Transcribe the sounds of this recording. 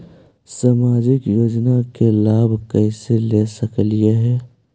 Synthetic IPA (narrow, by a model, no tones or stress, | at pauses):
saːmaːd͡ʒɪkjoːd͡ʒnakelaːbʱkɛɪselesəklijeɦɛː